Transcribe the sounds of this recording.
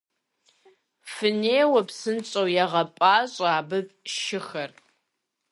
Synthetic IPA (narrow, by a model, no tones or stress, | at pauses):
fɨneːwɐpsɨnt͡sʼɐwjɛʁɐpʼaːɕʼaːbɨpʼʃɪxɐr